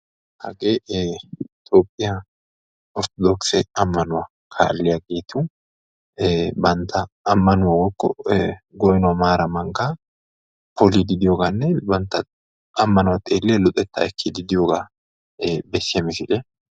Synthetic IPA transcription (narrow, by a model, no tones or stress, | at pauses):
hɐ̰ɡeː | ɪt̪ʼoːpʼːɪjɐ | ʔɔɾt̪ɔd̪ɔksɛɐmːɐnʊwɐ | kʰa̰ːlːɪjaɡe̞ːt̪ʰuː | bɐnt̪ʰːɐː | mːɐnʊwɐwɔkːɔɡɔjnʊwɐmaːɾɐmɐŋka | pʰɔlid̪ɪd̪ɪjoːɡanːɛbɐnt̪ːɐ | ɐmːɐnʊwɐt̪ʼeːlːɛlʊt̪ʼɛt̪ːɐ̰ɛkʰːid̪ɪd̪ɪjoːɡaː | bɛsːɪjɐmɪsɪlɛ